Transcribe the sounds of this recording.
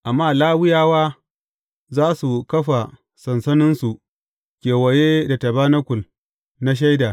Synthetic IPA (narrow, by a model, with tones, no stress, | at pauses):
ʔa˨mːaː˦laː˦wɪ˦jaː˦waː˦ | zaː˦su˨kɐ˦ɸa˨ | sɐ˨nsɐ˦nɪ˦nsu˨ʔ | kʲeː˨wɐ˨jeː˦da˨tɐ˨baː˦nɐ˦kʷʊ˨l | na˦ʃ̬a˦jda˨